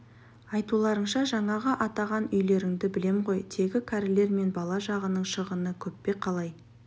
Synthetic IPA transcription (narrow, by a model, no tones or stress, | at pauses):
ɑjt̪ulˠɑɾəɴʃɑʒɑɴɑʁəʔɑt̪ɑʁɑnʏjle̞ɾɪŋd̪ɪbɪle̞mʁo̞jt̪ʰe̞ɡʲɪkʲʰæɾɪle̞ɾme̞nbɑlˠɑʒɑʁənəɴʃəʁənəkʲʰɵpːe̞qʰɑlˠɑj